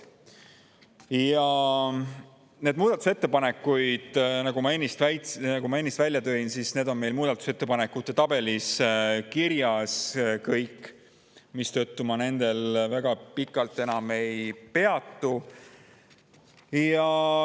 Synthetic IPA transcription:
jɑ | ne̞ːd̪̚muːd̪ɑt̪ːˑu̥se̞t̪ːe̞pɑne̞kːujd̪̥nɑɡ̥umɑe̞nʲːist̪væjt̪ɑɡ̥umɑe̞nːist̪vælʲjɑt̪ø̞ːinsisne̞ːd̪̥o̞nme̞jlmuːd̪ɑt̪ːˑu̥se̞t̪ːepɑne̞kːut̪ːˑe̞t̪ɑb̥e̞liskiɾjɑskɤjkː | mist̪ø̞t̪ːumɑne̞nd̪e̞lvæɡ̥ɑpikːˑɑlt̪ˑːe̞nɑme̞jpe̞ɑt̪ːu | jɑ

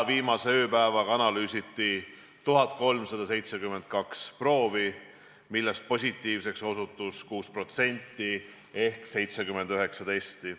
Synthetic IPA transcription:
viːmɑseøːpæevɑɡɑɑnɑlyːsit̪ːˑi | t̪uɦɑt̪̚ˑko̞lmsɑd̪̥ɑse̞jt̪se̞kymːe̞nd̪̥̚kɑkspro̞ːvi | milːest̪̚po̞s̬ʲit̪ːˑiːvse̞kso̞sut̪ːˑuskuːspro̞t̪se̞nʲt̪ːˑi | e̞hkse̞jt̪sekymːe̞nd̪̥yɦe̞ksɑd̪esʲt̪i

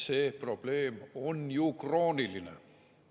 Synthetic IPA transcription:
seprob̥leːmonjukroːnilːinḛ

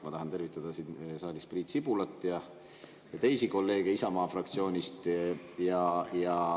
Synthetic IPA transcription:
mɑt̪ɑɦɑnt̪e̞rvit̪ːˑɑd̪̥ɑsinsɑːlʲispriːt̪sibulɑt̪ːˑjɑ | jɑt̪e̞jsiko̞lːe̞ːɡ̥eisɑmɑːfrɑkt̪sio̞ːnʲist̪jɑjɑ

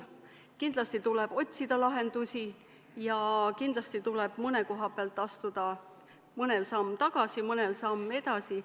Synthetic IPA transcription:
kind̪lɑst̪it̪uleb̥o̞t̪ʲsid̪̥ɑlɑɦe̞nd̪̥usʲi | jɑkind̪̥lɑst̪it̪uleb̥mɤneko̞ɦɑpeɑlt̪ːˑɑst̪ud̪̥ɑ | mɤnelsɑmːt̪ɑɡ̥ɑsimɤnelsɑmːe̞d̪ɑsi

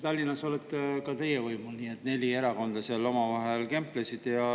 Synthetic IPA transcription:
t̪ɑlʲːinːɑso̞let̪ːkɑt̪e̞jevɤjmulnie̞t̪ːˑne̞lʲie̞ɾɑko̞nd̪̥ɑseɑlo̞mɑvɑɦelke̞mplesid̪̥jɑ

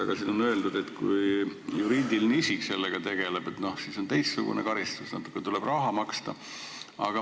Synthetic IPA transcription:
ɑɡ̥ɑsiːno̞nø̞e̞ld̪ud̪̥e̞t̪kujjuɾiːd̪ilneisikse̞lːeɡ̥ɑt̪e̞ɡ̥e̞leb̥et̪no̞hsiːso̞nt̪e̞jstsṵɡ̥ṵnḛkɑɾist̪usnɑ̰t̪ːˑu̥kˑːet̪ule̞b̥rɑɦɑmɑkst̪ɑ | ɑ̰ɡ̥ɑ

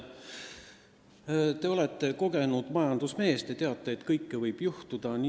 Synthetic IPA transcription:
t̪e̞o̞lɛt̪ˑːe̞ko̞ɡ̥e̞nud̪̥mɑjɑnd̪̥usme̞ːst̪et̪e̞ɑt̪ːˑeːt̪kɤjkːevɤjb̥juht̪ud̪̥ɑni

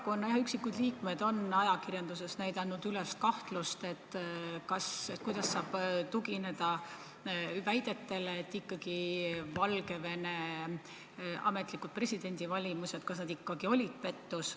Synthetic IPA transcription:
kuonːɑjɑɑyksikːud̪liːkme̞d̪̥o̞nɑjɑkirjɑnd̪̥use̞snæjd̪ɑnːud̪̥yleskɑht̪lust̪e̞t̪ːkɑset̪kujd̪̥ɑsːɑːb̥t̪uɡine̞d̪̥ɑ | væjd̪̥e̞t̪ːe̞leːt̪ːikːɑɡ̥ivɑlɡe̞ve̞ne̞ | ɑ̰me̞t̪ˑlikːud̥̪̚pre̞sʲid̪̥e̞nʲd̪̥ʲivɑlʲimuse̞t̪kɑsnɑd̪ikːɑɡio̞lʲid̪̥̚pe̞t̪ːus

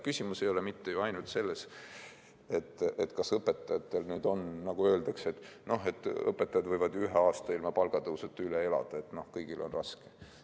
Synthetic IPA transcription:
kysʲimuse̞jo̞lemit̪ːe̞juɑjnult̪se̞lːe̞s | et̪ːˑet̪ːˑkɑsɤpːet̪ːˑɑjɑt̪ːe̞lnyːd̪o̞nnɑɡ̥uø̞ːld̪̥ɑkset̪ˑno̞ɦe̞t̪ːˑɤ̰pːˑe̞t̪ːˑɑjɑd̪̥vɤjvɑd̪̥yɦeɑːst̪ɑilmɑpɑlɡ̥ɑd̪uuset̪ːˑylee̞lɑ̰d̪̥ɑe̞t̪ːno̞hkɤjɡ̥ilo̞̰nrɑske

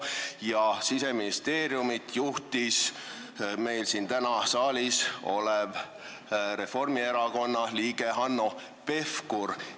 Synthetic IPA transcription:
jɑsise̞minist̪e̞ːɾjumit̪juht̪is | me̞jlsint̪ænɑsɑːlʲiso̞leb | ɾe̞fo̞rmie̞ɾɑko̞nːɑliːɡ̥e̞ɦɑnːo | pe̞fkur

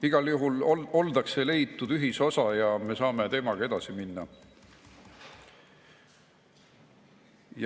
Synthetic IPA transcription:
iɡ̥ɑljuɦulo̞ld̪ɑkse̞le̞jt̪ːˑud̪̥yɦiso̞sɑjɑme̞sɑːme̞t̪e̞ːmɑɡ̥ɑe̞d̪̥ɑsiminːɑ̰ | j

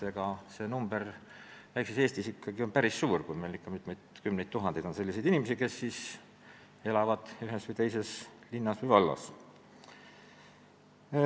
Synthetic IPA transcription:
eɡ̥ɑse̞numbe̞r | væjksese̞ːsʲt̪isikːɑɡio̞npæɾisːuːrkujme̞jlikːɑmit̪ˑmejd̪̥kymnejdt̪t̪ːuɦɑnd̪ejd̪̥o̞nse̞lʲːisejd̪inime̞sike̞sːiːs | e̞lɑvɑd̪̥yɦesvɨjt̪e̞jse̞slinːɑsvɨjvɑlːɑ̰s

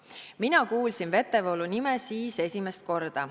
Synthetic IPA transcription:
minɑkuːlsinve̞t̪ːˑevolunimesiːse̞sʲime̞st̪̚ko̞rd̪̥ɑ

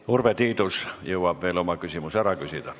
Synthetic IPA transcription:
urʋet̪iːt̪usjeuɑb̥ʋeːlomɑkysimusæɾɑkysid̪æ

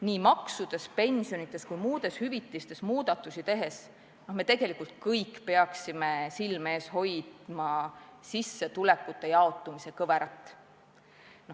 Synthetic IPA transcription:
niːmɑksud̪̥e̞spe̞nʲsijo̞nit̪ˑːe̞skujmuːd̪̥e̞shyvit̪ːˑlist̪e̞smuːd̪̥ɑt̪ːˑusit̪e̞ɦe̞s | no̞hme̞t̪e̞ɡ̥e̞likult̪̚kɤjkːpeɑksime̞silme̞ːsho̞jd̪̥mɑsisːe̞t̪ulekːut̪ːˑe̞jɑo̞t̪ːˑumise̞kɤveɾɑt̪ːˑ | no

